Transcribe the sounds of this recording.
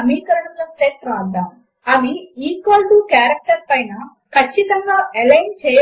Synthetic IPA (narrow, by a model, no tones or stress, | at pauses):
ɐmiːkɐɾɐɽumlɐst̪eːʈ̚pɾɐaːt̪ɐ | ɐmiiːkʋaːlʈukaːɾɐk̚ʈɐɾpɐjnɐ | kʰɐt͡ʃːit̪ɐŋɡaːelɐjnt͡ʃɛː